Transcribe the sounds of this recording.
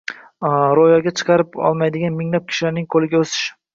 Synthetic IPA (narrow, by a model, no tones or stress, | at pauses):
ɾojɒɡʲat͡ʃʰɨ̥qʰɑɾɪpɒ̰lˠmajd̪ɪɡʲanmɪŋlap̚kʲʰɪ̥ʃɪlaɾnɪŋkʰolɪɡʲaosɪ̥ʃ